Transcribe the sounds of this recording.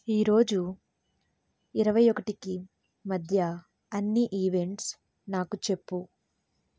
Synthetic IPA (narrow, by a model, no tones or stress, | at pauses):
iːɾo̞ːd͡ʒu | iɾɐʋɐjɔkɐʈiki | mɐd̪ʱjɐ | ɐnːiʔiːʋe̞ɳʈs | naːkut͡ʃe̞pːu